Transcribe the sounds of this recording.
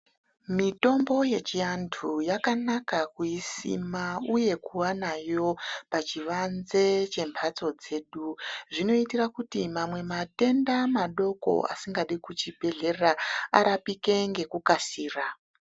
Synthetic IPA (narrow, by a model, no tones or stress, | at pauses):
mito̞mbo̞je̞t͡ʃiantʰujakanakakuisḭmauje̞kuwanajo̞pat͡ʃiʋanze̞t͡ʃe̞mbʰʱat͡so̞d͡ze̞ːɗuʐino̞itirakutimamwe̞mate̞ndamaɗo̞ko̞̰a̰siŋɡaɗikut͡ʃibʱe̞ɮe̞raa̰ɾapike̞ŋɡe̞kukasiːra